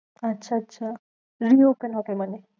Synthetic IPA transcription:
ətːɕʰaːtːɕʰa | ɾiopənɦɔkeməne

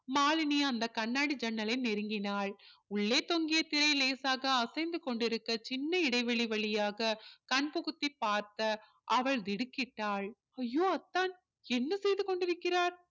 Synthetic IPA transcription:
maːlɪnɪjɐɐnd̪ɐkɐnːaːɽid͡ʒɐnːɐlɐɪnɛɾɯŋɡɪnaːɭʊɭːeːt̪ɔŋɡɪjɐt̪ːɪɾɐɪleːsaːɣɐɐsɐɪnd̪ɯkɔɳɖɪɾɯkːɐt͡ʃɪnːɐɪɽɐɪʋɛɭiʋɐɭɪjaːɣɐkɐɳpɔɣɯt̪ːipːaːɾt̪ɐ | ʔɐʋɐɭd̪ɪɽɯkːɪʈːaːɭ | ɐjːoːɐt̪ːaːn | ɛnːɐsɛjðɯkɔɳɖɪɾɯkːɪɾaːɾ

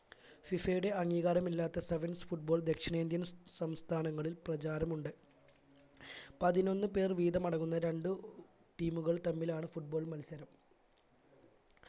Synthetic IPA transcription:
fifejuɽe̞ɐŋːiːɣaːɾɐmilːaːt̪ːɐseʋɐnsfuʈ̚bo̞ːɭd̪e̞kʂɐɳeːnd̪jɐnsɐmst̪ʰaːnɐŋːɐɭilprɐt͡ɕaːɾɐmuɳɖɨ | pɐðino̞nːɨpe̞ːrʋiːðɐmɐɽɐŋːunːɐɾe̞ɳɖɨ | ʈiːmuɣɐɭt̪ɐmːilaːɳɨfuʈ̚bo̞ːɭmɐlsɐɾɐm

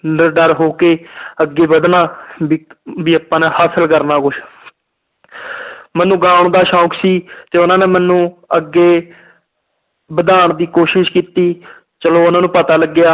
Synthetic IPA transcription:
əɾɖəɾɦoːkeːəɡːeːbəd̪naːbbiːapːãːneːhaːsəlkəɾnaːkʊʃ | mɛnːũːɡaːɳd̪aːʃãːkʰsiːt̪eːʊnãːneːmɛnːũːəɡːeː | bəd̪aːɳd̪iːkoːʃɪʃkiːt̪iː | t͡ʃəloːʊnãːnũːpət̪aːləɡːɪjaː

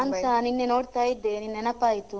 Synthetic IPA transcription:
ɐnsaninːenoːɽt̪aːjid̪ːeninːenɐpːaːjit̪u

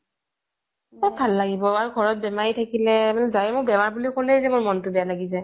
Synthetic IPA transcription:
abʱalːaɡibɔaɹuɡʱɔɹɔt̚bɛmaɹitʰakilɛmanɛzajmʊkbɛmaɹbulikɔlɛzɛmʊɹmɔntʊbɛjalaɡizaj

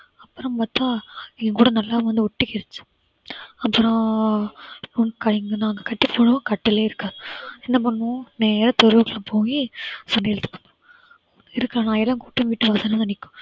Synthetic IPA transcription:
ɐpːɯɾɐ̃mpaːt̪aːɛŋɡɐkuːɽɐnɐlːaːʋɐnd̪ɯʊʈːɪkːɪɾɐt͡ʃːɯ̥ | ɐpːɯɾõ | ukɐɛŋɡɐnãːŋɡɐkɐʈːɯpːoːɳʊ̃kɐʈːɪleːɪɾɯkːaːðɯɛnːɐp̬ɐɳːʊ̃neːɾɐt̪ɔɾɯʋɯkɐɭãpoːŋɡisɐnɪɛɭt̪ːɯ̥kːɐ̃ | ɪɾɯkːãːnãːɛlːaːkuːʈːɯ̃ʋiːʈːɯʋaːsɐnɐnɐnɪkːʊ̥̃

